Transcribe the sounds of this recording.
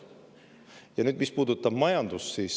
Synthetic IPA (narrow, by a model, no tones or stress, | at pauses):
jɑnyːd̪mispuːd̪̥ut̪ːˑɑb̥mɑjɑnd̪ussiːs